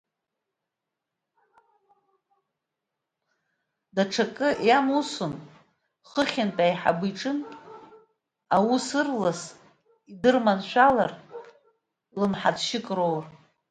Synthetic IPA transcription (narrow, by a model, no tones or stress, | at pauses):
daʈ͡ʂʰakʼɨjamusʊn | χəχʲɪntʼajħa̰bɨʈ͡ʂʼɨnʼ | awusɨrlas | idɨrmanʃʷᶣalar | lɨmħad͡zʃɪkʼrowr